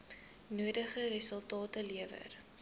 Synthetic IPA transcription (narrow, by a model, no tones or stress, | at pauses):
nuədəχəɾəsəlˠtɑːtəliəvə̰r